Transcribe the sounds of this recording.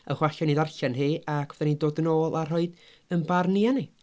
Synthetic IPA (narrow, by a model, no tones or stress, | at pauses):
əχwaɬaniːdarɬanɦiːʔakʰðɛnindoːdnoːlˠar̥ɦɔɨd | ənbarniani